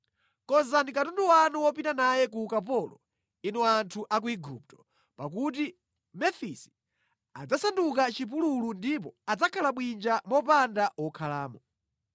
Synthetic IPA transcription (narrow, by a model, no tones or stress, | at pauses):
kɔzanikatunduwanuwɔp̬itanajɛk̬ukap̬ɔlɔ̰ | inuantʰuʔak̬uiɡup̚tɔ̥ | pak̬ut̬i | mɛfisi̥ | a̰d͡zasanduk̬at͡ʃip̬ululundip̬ɔad͡zakʰalaɓwind͡ʒamɔpandawɔkʰalaːmɔ